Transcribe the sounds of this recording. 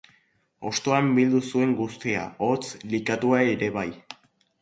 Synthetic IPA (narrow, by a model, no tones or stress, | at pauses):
o̞st̪o̞ambild̪usue̞ŋɡust̪ia̰ot͡slikat̪uae̞ɾe̞β̞aj